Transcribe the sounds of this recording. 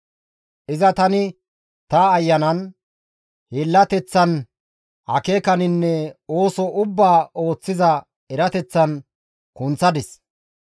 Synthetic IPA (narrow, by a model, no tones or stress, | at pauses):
ʔɪzɐt̪ɐnɪ | t̪ɐːjːɐnɐn | heːlːɐt̪ɛt͡sːɐn | hɐ̰keːkɐnɪnːɛoːsɔʔʊbːaːo̞ːt͡sːɪzɐ | ɛɾɐt̪ɛt͡sːɐn | kʊnt͡sːɐd̪ɪs